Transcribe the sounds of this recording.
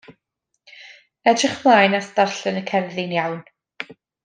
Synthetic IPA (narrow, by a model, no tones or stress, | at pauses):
ɛdrɪχmlˠaːjnastarɬənəkʰɛrðɪnjawn